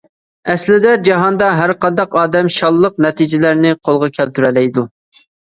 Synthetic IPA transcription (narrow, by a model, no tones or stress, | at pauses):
ɛslɪd̪ɛd͡ʒɑɦɑnd̪ɑɦæɾqɑnd̪ɑqɑːd̪ɛmʃɑlˠːəq̚nɛt̪id͡ʒɪlæɾnɪqʰolˠʁɑkʲʰɛlt̪yɾɛlɛjd̪u